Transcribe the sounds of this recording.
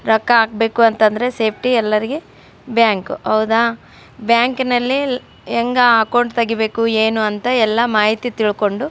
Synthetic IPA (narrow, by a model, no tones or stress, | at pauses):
ɾɐkːɐaːɡ̚be̞ːkuɐnt̪ɐnd̪ɐɾe̞se̞ːp̚ʰʈiɛlːɐɾiɡe | bjaːŋkuɦɐʋd̪a | bjaːŋknɐlːi | ɛŋɡɐaːkowɳʈt̪ɐɡibe̞ːkueːnuɐnt̪ɐɛlːɐmaːɦit̪it̪iɭko̞ɳɖu